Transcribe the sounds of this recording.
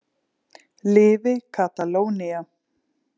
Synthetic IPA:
lɪːvɪkʰat̪aloːwnia

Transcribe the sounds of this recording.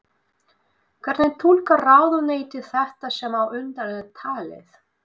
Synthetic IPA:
kʰvɛɾt̪nɪt̪ʰulkaraːwðʏneːjt̪ɪ̥θɛht̪asɛmawʏnt̪aɾɛðt̪ʰaːlɪ̰θ

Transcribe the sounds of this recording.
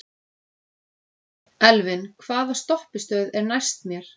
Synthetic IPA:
ɛlvɪnkʰvaːðast̪ɔhpɪst̪œɥðɛɾnajst̪mjɛɾ̥

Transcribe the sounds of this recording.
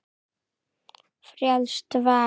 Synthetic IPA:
frjalʂtʰvaː

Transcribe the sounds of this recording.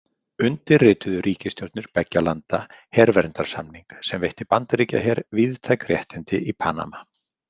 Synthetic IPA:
ʏnt̪ɪrrɪːt̪ʏðʏɾiːcɪst̪jowɾt̪nʏɾpɛcːalant̪ahɛɾvɛɾnt̪aɾ̥samniŋksɛmvejht̪ɪpant̪aɾiːca̰ɦɛɾvɪðt̪ʰajkrjɛht̪ɪnt̪ɪʔipʰaːna̰ma

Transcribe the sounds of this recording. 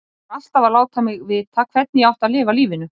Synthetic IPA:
al̥t̪avalaːwt̪ʰamɪɣvɪðt̪ʰaːkʰvɛt̪̚nɪjɛawht̪aðlɪːvaliːvɪnʏ

